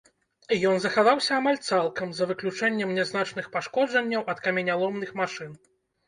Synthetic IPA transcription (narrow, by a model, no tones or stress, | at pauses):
jɔnzɐxavawsʲɐːmalʲt̪salˠkɐmzɐvɨklʲut͡ʂɛnʲːɛmnʲɛznat͡ʂnɨxpaʂkɔd͡ʐɐnʲːɐwɐt̪kɐmʲɛnʲalˠɔmnɨxmaʂɨn